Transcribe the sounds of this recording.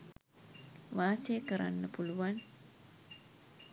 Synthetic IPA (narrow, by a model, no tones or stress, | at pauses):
ʋaːsejəkəɾa̰nːəpuluʋan